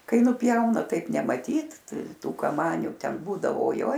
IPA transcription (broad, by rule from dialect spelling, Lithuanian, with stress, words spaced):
ˈkɐɪ ˈnʊpʲjɛʊnɐ ˈtɐɪp nʲɛmɐˈtʲiːt ˈtuː kɐˈmɑːnʲʊ ˈtʲɛn ˈbuːdɐʋoː oːˈjoːj